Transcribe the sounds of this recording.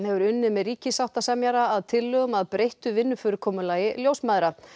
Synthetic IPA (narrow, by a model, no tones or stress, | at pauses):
hɛvʏɾʏnːʏmɛðriːcɪsaw̥t̪asamjaɾaːðt̪ʰɪlːʏɣʏmaðpɾejht̪ʏvɪnːʏfʏːɾʏɾkʰɔːmʏlaːjɪljowsmaðɾa